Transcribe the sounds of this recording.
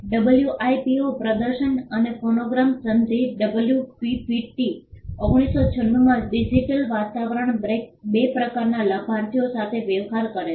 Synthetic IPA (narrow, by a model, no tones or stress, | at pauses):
ɖəbəljuʔajpiopɾəd̪əɾʃənənefonoɡɾamsənd̪ʱiɖəbəljupipiʈioɡɽ̃isot͡ʃʰənːumãɖid͡ʒiʈəlʋat̪aʋəɾəɳbɾek̚bepɾəkaɾnaləbʱaɾt̪ʰijosat̪ʰeʋeʋɦaɾkəɾe